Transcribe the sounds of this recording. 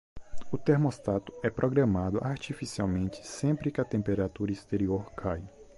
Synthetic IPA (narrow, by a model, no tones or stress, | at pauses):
ʊt̪eɾmost̪at̪ʊ̥ɛpɾoɡɾãmad̪ʊʔaɾt͡ʃifisiawmẽnt͡ʃ̪ɪ̥sẽmpɾɪkɪɐt̪ẽmpeɾat̪uɾɐist̪eɾioɾkʰaj